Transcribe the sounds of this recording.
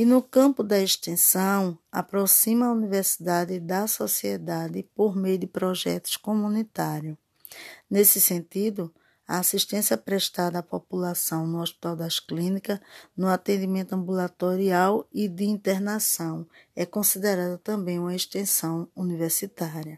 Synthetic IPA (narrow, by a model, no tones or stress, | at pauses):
ɪnʊkɐ̃pʊd̪ɐeʃt̪ẽsɐ̃w̃a̰pɾɔsĩmɐːuniveɾsi̥d̪ad̪ɪd̪ɐsɔsiɛd̪ad̪ɪpoɾmejʊd̪ɪpɾɔʒɛ̰t̪ʊ̥skomũnit̪aɾjʊ | nesɪsẽnt̪id̪ʊ | ɐasiʃt̪ẽsiɐpɾɛʃt̪ad̪ɐːpopulasɐ̃w̃nʊɔʃpi̥t̪awd̪aʃklĩnikɐnʊat̪ẽnd̪imẽnt̪ʊɐ̃bulat̪oɾiawɪd̪ɪĩnt̪eɾnasɐ̃w̃ɛkõsid̪eɾad̪ɐt̪ɐ̃mbẽj̃ũmɐeʃt̪ẽsɐ̃w̃univeɾsit̪aɾiɐ